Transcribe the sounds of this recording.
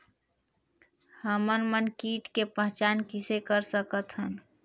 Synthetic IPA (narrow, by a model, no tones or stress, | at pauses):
həmənmənkiʈkepəɦt͡ʃankisekəɾsəkət̪ʰɦən